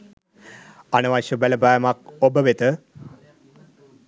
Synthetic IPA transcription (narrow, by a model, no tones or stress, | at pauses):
anəʋaʃəbæləbajmakobəʋet̪ə